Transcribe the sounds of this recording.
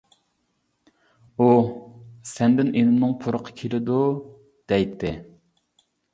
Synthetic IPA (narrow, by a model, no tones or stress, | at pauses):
u | sɛnd̪ɪnʔenɪmnɨŋpʰuɾəqʰɑ̥kʲʰelɪd̪u | d̪̥ɛjt̪ʰːɪ